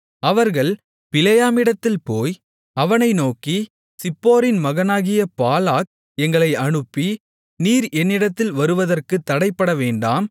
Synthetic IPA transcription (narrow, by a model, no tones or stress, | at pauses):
ɐʋɐɾɣɐɭ | pɪlɐjaːmɪɽɐt̪ːɪlpoːj | ɐʋɐnɐɪnoːki | sɪpːoːɾɪnmɐɣɐnaːɣɪjɐpaːlaːk̚ | ɛŋɡɐɭɐɪʔɐɳɯpːi | niːɾɛnːɪɽɐt̪ːɪlʋɐɾɯʋɐðɐrkɯt̪ːɐɽɐɪpːɐɽɐʋeːɳɖaːm